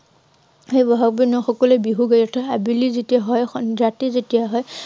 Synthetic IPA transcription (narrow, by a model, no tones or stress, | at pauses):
xejbɔɦak̚binaxɔkɔlebiɦuɡajɔtʰaabilizetijaɦɔjxzatizetijaɦɔj